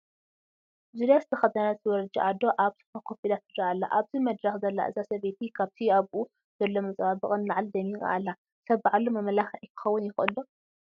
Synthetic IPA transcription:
zulasɨt̪ʰɐxɐt̪ʰɐnaɨwɔɾd͡ʒiʔad̪oʔaβt̪ʰɨ̥fakʰo̞pilat̪ːɨd̪ɾaʔalːa̰ʔaβzimɐd̪ɾɐxzɐlːa̰ʔɨ̰zasɐβet̪ʰikʰaβt̪ʰiaβʔu | z̥ɐlːomɐt͡sʼabɨχʼɨnlaʕald̪ɐmika̰ʔalːa | sɐβʕalːumɐmɐlaxʕikʰɨ̥xɐwːʊnjɪxʔɨ̰lːu

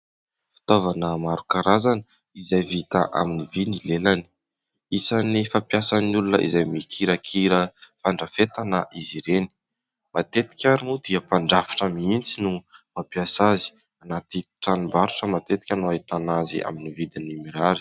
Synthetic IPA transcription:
fi̥t̪ovanəmaɾukaɾazanə | izajvit̪a̰ʔa̰minivinilelani̥ | isanifapjasannulunə̰ʔḭzajmikʰiɾəkʰiɾəfaɳɖ͡ʐafet̪anəʔiziɾeni̥ | mat̪et̪i̥kʲaɾunud̪̥iəpaɳɖ͡ʐafḁʈ͡ʂəmiint͡sinumapiasazi̥ | anat̪iʈ͡ʂanimbaɾuʈ͡ʂəmat̪et̪i̥kʲanoait̪anazḭa̰minivid̪inimiɾaɾi̥

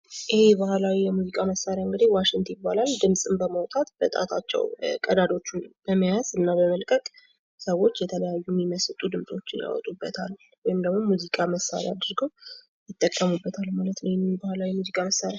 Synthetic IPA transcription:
ʔɨhebəhlawijɛmuzikʼaməsːaɾjaɨŋɡɨd̪iwaʃɪŋt̪ʰjɪbːalald̪ɨmsʼɨmbəməwt̪ʼat̪b̥ət̪ʼa̰t̪ʰat͡ʃːɛ̰wkʼəd̪ad̪o̞t͡ʃːunbəməjazɨnːabəməlkʼəkʼ | səwo̞t͡ʃːjɛt̪ʰələjajːumːiməst̪ʼud̪ɨmsʼo̞t͡ʃːɪnja̰wɔ̰t̪ʼubːət̪ʰal | wɔjɪmd̪əɡmo̞muzikʼaməsːa̰ɾj̰ad̪ɨɾɡəw | jɪt̪ʼːəkʼːəmubːət̪ʰalːmalət̪nəwjɛmːibəhlawijɛmuzikʼaməsːaɾja

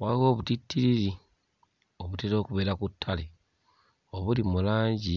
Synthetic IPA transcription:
waɣo̞βutitʰːiɾiɾi | o̞βuteɾo̞ːkuβe̞ːɾakutʰːale | oβulimulaːɲɟi

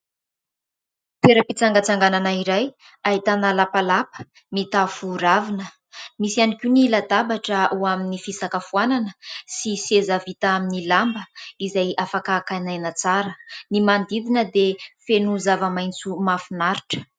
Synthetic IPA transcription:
t̪weɾəpit͡saŋɡat͡saŋɡananaiɾaj | aɦit̪analapalapə̥ | mit̪afuɾavinə | misianikʲunilad̪abaʈ͡ʂəuaminifisakəfuananəsisezavit̪aaminilambəizajafakakanajnat͡saɾənimand̪id̪inəd̪efenuzavəmajnt͡sumafinaɾi̥ʈ͡ʂə̥

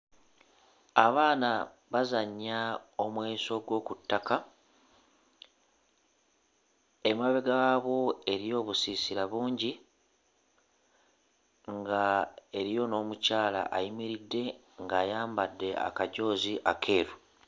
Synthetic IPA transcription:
aβaːna | βazaɲːao̞mweːso̞ɡwo̞ːkutːaka | e̞maβe̞ɡaaβo̞e̞ɾijo̞ːβusisiɾaβuːɲɟi | ŋɡae̞ɾijo̞no̞ːmucaːla̰ʔajimiɾidːe̞ | ŋɡaːjaːmbadːe̞a̰kaɟo̞ːziʔakʰe̞ːɾu

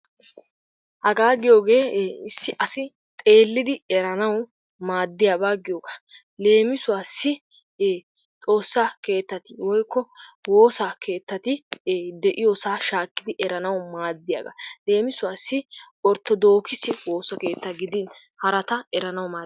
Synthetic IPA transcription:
hɐɡaːɡɪjo̞ːɡe̞ːɪsːɪʔɐsɪ | t̪ʼe̞ːlːɪd̪ɪɛɾɐnɐw | maːd̪ːɪjaːbaːɡɪjoːɡḁ | le̞ːmɪsʊwaːsːɪ | t͡s̪ʼo̞ːsːɐke̞ːt̪ːɐt̪ɪwɔjkːɔwo̞ːsakʰe̞ːt̪ːɐt̪ɪd̪ɛʔɪjoːsaːʃaːkːɪd̪ɪʔɛɾɐnɐwmaːd̪ːɪja̰ɡɐ̰le̞ːmɪsʊwaːsːɪ | ɔɾt̪ːɔd̪o̞ːkɪsɪwo̞ːsɐkeːt̪ːɐɡɪd̪in | hɐɾɐt̪ɐɛɾɐnɐwmaː

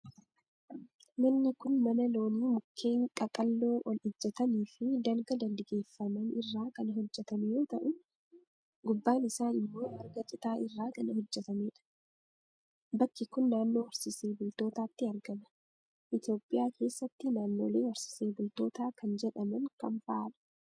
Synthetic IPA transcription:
nɐnːɪkʊnmɐnɐlo̞ːniːmʊkʰːe̞ːŋkʼɐkʼɐlːo̞ːʔɔlɪd͡ʒːɛt̪ɐniːfɪd̪ɐlɡɐd̪ɐnd̪ɪɡe̞ːfːɐmɐnɪrːaːkɐnɦɔd͡ʒːɛt̪ɐmɛjo̞ːt̪ɐʔʊ | ɡʊbːaːnɪsaːnɪmːo̞ːɐɾɡɐt͡ʃʼɪt̪aːʔɪrːaːkɐnɐɦɔd͡ʒːɛt̪ɐmeːᶑɐ̥ | bɐkːɪkʊnːaːnːo̞ːwɐɾsɪse̞ːbʊlt̪o̞ːt̪aːt̪ːɪɐɾɡɐmɐ̥ | ʔɪt̪jo̞ːpʼːɪjaːkʰe̞ːsːɐt̪ːɪnaːnːoːleːwɐɾsɪ̥seːbʊlt̪o̞ːt̪aːkɐnd͡ʒɛᶑɐmɐŋkɐɱfaːᶑɐ̥

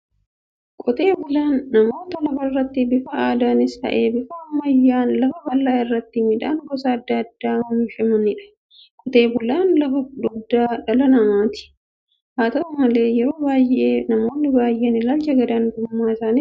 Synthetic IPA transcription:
kʼɔt̪e̞ːbʊlaːnːɐmo̞ːt̪ɐlɐfɐrːɐt̪ːɪbɪfɐaːd̪aːnɪsɐ̰ʔeːbɪfɐːmːɐjːaːnlɐfɐbɐlːaːɪrːɐt̪ːɪmɪᶑaːnɡɔsɐːd̪ːɐɐd̪ːaːmɐmɪʃɛmʊnɪᶑɐ̥ | kʼɔt̪e̞ːbʊlaːnlɐfɐᶑʊd̪aːᶑɐlɐnɐmaːt̪ɪ̥ | haːt̪ɐʊmɐle̞ːjɛɾo̞ːbaːjeːnɐmo̞ːnːɪbaːjʔeːnɪlɐlt͡ʃɐɡɐd̪anɡ̪ʊmːaːɪsaːni

